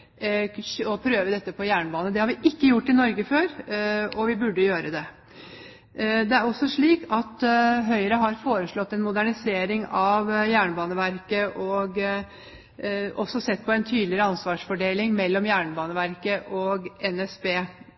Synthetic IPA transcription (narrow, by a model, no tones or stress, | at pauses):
ɔpʰɾøːʋəd̪ɛt̪ːəpʰɔjæːɳəbɑːnəd̪ɛhɑɾʋɪʔɪkːəjʊʈːɪnɔɾɡəføːɾɔʋɪbʉɖːəjøːɾəd̪ɛ | d̪ɛæɾɔsːɔʂɭiːkɑt̪ɦœʏɾəɦɑɾfoːɾəʂɭɔt̪ːɛnmʊd̪æɳɪseːɾɪŋɑʋjæːɳəbɑːnəʋæɾkəʔɔɡ | ʔɔsːɔsɛt̪ːpʰɔɛnt̪ʰyːd̪lɪɾəɑnsʋɑːʂfɔɖeːlɪŋmɛlːɔmjæːɳbɑːnəʋæɾkəʔɔɡɛnɛsbeː